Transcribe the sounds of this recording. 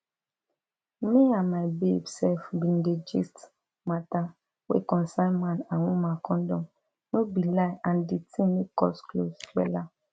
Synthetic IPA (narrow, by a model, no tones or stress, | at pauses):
meanmaɪbebsɛlfbĩnded͡ʒḭst | mata | wḛkɔ̃nsãɪmãnawũmãkɔ̃ndɔ̃ | nobilaɪʔãnditʰĩmikɔ̰sklostɾɛ̰la